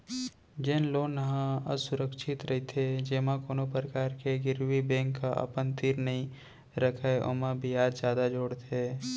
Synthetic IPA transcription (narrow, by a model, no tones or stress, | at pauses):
d͡ʒeːnloːnːəɦãə̰sʊɾəkʃʰɪt̪ɾɐɦit̪ʰed͡ʒeːmãkoːnopɾəkaːɾkeɡɪɾwibɛ̃ːŋkːaʔə̰pənt̪ɪɾnɐɦĩ | ɾəkʰaeʔo̰ːmabʱijaːd͡ʒzjaːd̪ad͡ʒoːɽt̪ʰe